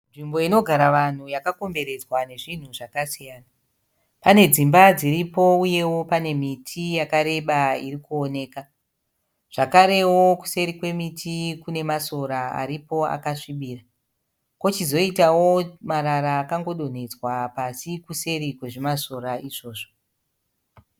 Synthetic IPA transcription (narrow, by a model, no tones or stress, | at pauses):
nʐimbo̞ino̞ɡʱaɾaʋan̤ujakako̞mbe̞ɾe̞d͡zwane̞ʐin̤uʐakasijaːna | pane̞d͡zimbad͡ziɾipo̞uje̞wo̞pane̞mitʰijakaɾe̞ɓairikuone̞ːka | ʐ̥akaɾe̞woku̥se̞ɾikwe̞mitʰikune̞maso̞ɾaa̰ɾipo̞a̰kaʂiɓiːra | ko̞t͡ʃizo̞itawo̞maɾaɾaːkaŋɡo̞ɗo̞n̤e̞d͡zwapasikuse̞ɾikwe̞ʐemaso̞ɾaiʐo̞ːʐo